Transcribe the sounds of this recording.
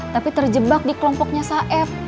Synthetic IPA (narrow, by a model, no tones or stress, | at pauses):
t̪apit̪ərd͡ʒəbak̚dikəlɔmpɔk̚ɲasaʔɛf